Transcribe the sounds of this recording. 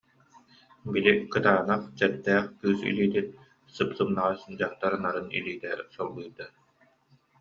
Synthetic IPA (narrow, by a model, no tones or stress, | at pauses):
bilikɯt̪aːnaχt͡ɕɛɾd̪ɛːχkyːsḭliːt̪it̪̚ | sɯpsɯmnaʁasnd͡ʑaχt̪aɾɯnaɾɯnḭliːt̪ɛsɔlˠbɯjd̪a